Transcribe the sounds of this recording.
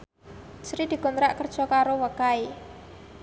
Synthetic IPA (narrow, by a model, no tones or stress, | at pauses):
t͡ʃɾid̪̥i̤ɡ̥ɔnt̪ɾaʔkərd̥ʒ̥ɔkaɾowəkai